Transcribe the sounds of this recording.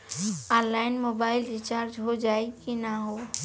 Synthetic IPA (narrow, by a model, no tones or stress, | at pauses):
anlaɪnmobaɪlɾit͡ʃaɾd͡ʒɦod͡ʒaekinaɦo